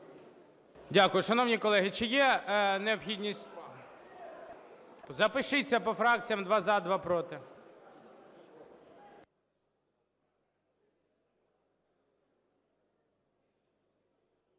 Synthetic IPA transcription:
dʲakʊjʊʃɐnɔwnʲikɔlˠɛɦɪt͡ʃɪjɛneɔpxʲidʲnʲisʲtʲ | zɐpɪʃɪt͡sʲːɐpɔfɾɑk̚t͡sʲijɐmd̪ʋɑzɑd̪ʋɑpɾɔt̪ɪ

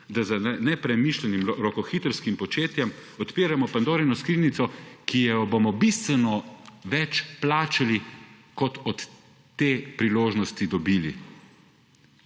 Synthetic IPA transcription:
d̪azanɛpɾɛmiʃlɛnimɾɔkɔxit̪əɾskimpɔt͡ʃeːt̪jɛmɔt̪piːɾamɔpand̪oːɾɛnɔskɾiːnit̪sɔkijɛjɔbomɔbist̪ʋɛnɔʋɛt͡ʃplaːt͡ʃali | kɔt̪ɔt̪ː | eːpɾiloːʒnɔst̪id̪ɔbiːlḭ

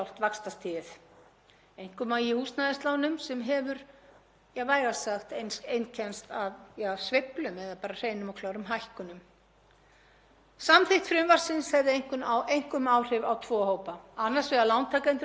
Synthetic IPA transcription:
awl̥t̪vakst̪ast̪ʰɪɪθ | ejŋ̥kʏmajihuːst̪naðɪst̪lawnʏmsɛmɦɛvʏɾ | jaɣvaːjɣasaxt̪ejnsejncʰɛnst̪avjasveplʏmɛðapaːɾar̥eːjnʏmawkʰlaːwɾʏmɦajhkʏnʏm | samθɪjht̪fɾɪmvar̥sɪnshɛvðɪejŋ̥kʏnawʔejŋ̥kʏmaːwr̥ɪvawt̪ʰvɔːɦoːwpaanːaɾ̥svɛðalawnt̪ʰakɛnt̪

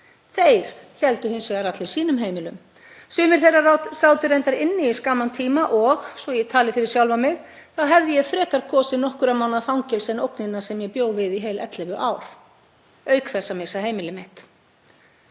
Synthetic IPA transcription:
θejɾ̥çɛlt̪ʏhɪnsvɛɣaɾat̪lɪɾ̥siːnʏmɦeːjmɪlʏm | sʏːmɪɾ̥θejrːaraːwt̪sawt̪ʏɾejnt̪aɾɪnːɪiskaːmant̪ʰiːmaʔɔxsvɔjɛɣt̪ʰaːlɪfɪɾɪɾ̥sjawlvamɪɣ | θaðɦɛvðɪjɛɣfɾɛːkaɾkʰɔːsɪnɔhkʏɾamaːwnaðfawŋcɛlsɛnowknɪnːasɛmjɛpjoːwvɪðiɦeːjlʔɛ̰t̪lɛvʏʔaːwɾ̥ | œːɥkθɛsːamɪsːaɦeːjmɪlɪmɪht̪

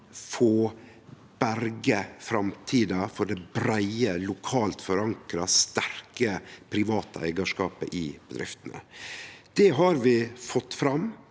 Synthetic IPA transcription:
fɔ | b̥æɾɡəfɾɑmt̪ʰiːd̪ɑfɔɖɛbɾæɪəlʊkʰɑːlt̪fɔɾɑŋkɾɑst̪æɾkəpʰɾɪʋɑːt̪ʰə̰æ̰ɪɡɑʂkɑːpəʔɪb̥əd̪ɾɪ̰ft̪ənə̰d̪̥ɛɦɑɾʋɪfɔt̪ːfɾɑm

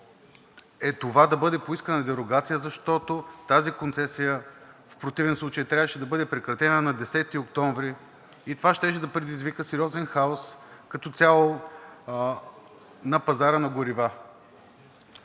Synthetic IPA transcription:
ɛt̪ovad̪ɐbɤd̪ɛpoiskənəɐd̪ɛɾoɡat̪sijəzɐʃt̪ɔt̪ot̪azikont̪sɛsijəfpɾot̪ivɛnslˠut͡ʃəjt̪ɾʲavəʃɛd̪ɐbɤd̪ɛpɾɛkɾɐt̪ɛnənɐd̪ɛsɛt̪iokt̪ɔɱvɾiː | t̪ovaʃt̪ɛʃɛd̪ɐpɾɛd̪izvikəsɛɾiɔzɛnxaoskɐt̪ɔt̪sʲalˠo | nɐpɐzaɾənɐɡoɾiva

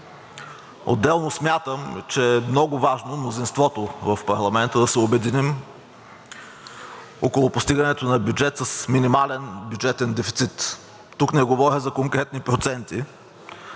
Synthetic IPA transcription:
o̰d̪ːɛlˠnosmʲjat̪əmt͡ʃɛːmnɔɡʊvaʒnomnozinst̪vɔt̪ovɐfpɐɾlˠɐmɛnt̪əd̪ɐsɛobɛd̪inim | okolˠʊpost̪iɡɐnɛt̪onɐbʲjud͡ʒɛt̪səsminimalɛnbʲjud͡ʒɛt̪ɛnd̪ɛfi̥t̪sit̪ː | uknɛɡovɔɾʲɐzɐkoŋkɾɛt̪̚nipɾot̪sɛnt̪i

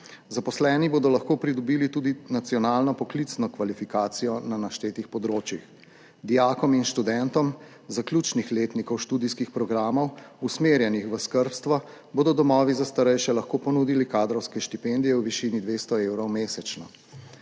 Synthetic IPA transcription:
zapɔslɛːniboːd̪ɔlɐxkoːpɾid̪ɔbiːlit̪uːd̪inat̪sijɔnaːlnɔpɔklit̪snɔkʋalifikaːt̪sijɔnanaʃt̪eːt̪ixpɔd̪ɾoːt͡ʃjix | d̪ijaːkɔminʃt̪ud̪ɛnt̪ɔm | zaklʲjuːt͡ʃnixleːt̪nikɔwʃt̪uːd̪iskixpɾɔɡɾaːmɔwusmeɾjɛnixʋəskəɾpst̪ʋa | boːd̪ɔd̪ɔmɔːʋizast̪aɾɛjʃɛlɐxkoːpɔnud̪ilikaːd̪ɾɔwskɛʃt̪ipend̪ijɛwʋiʃinid̪ʋest̪ɔeːwɾɔwmeːsɛt͡ʃnɔ

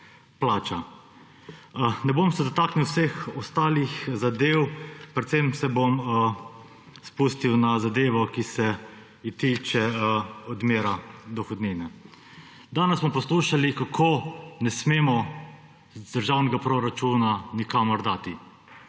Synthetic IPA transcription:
plaːt͡ʃa | nɛbomsɛd̪ɔt̪aːkniwsexɔst̪aːlixzad̪eːwpɾɛt̪sɛmsɛbom | spuːst̪iwnazad̪eːʋɔkisɛ | it̪it͡ʃɛɔd̪meːɾad̪ɔxɔd̪niːnɛ | d̪aːnɛssmɔpɔsluːʃalikakʰoːnɛsmeːmɔ | zd̪əɾʒawnɛɡapɾoɾat͡ʃuːnanikamɔɾd̪aːt̪i

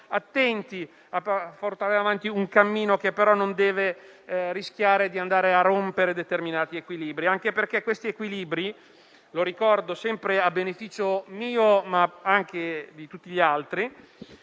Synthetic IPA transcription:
at̪ːɛnt̪i | apaport̪aːɾeavant̪iuŋkamːiːnokepːeɾɔnːond̪ɛːve | ɾisk̟jaːɾed̪iand̪aːɾearːompeɾed̪et̪erminaːt̪iekwiliːbɾiaŋkeperkekːwest̪iekwiliːbɾi | loɾikɔrd̪osɛmpɾeabːenefiːt͡ʃomiːomaaŋk̟ed̪it̪ut̪ːiʎialt̪ɾi

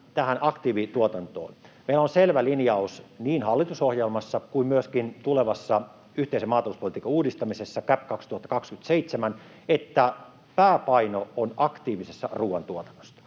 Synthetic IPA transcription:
t̪æhænɑkt̪iːʋit̪uot̪ɑnt̪o̰ːnmeilæonselʋælinjɑusniːnhɑlːit̪usohjelmɑsːɑkuimmyøskint̪uleʋɑsːɑ | yht̪eisemɑːt̪ɑluspolit̪iːkɑuːdist̪ɑmisesːɑkæpkɑkst̪uhɑt̪ːɑ̥kɑkskyt̪seit̪semæn | et̪ːæ | pæːpɑinoonɑkt̪iːʋisesːɑ̰ruːwʋɑnt̪uot̪ɑ̥nːo̥sːɑ̥

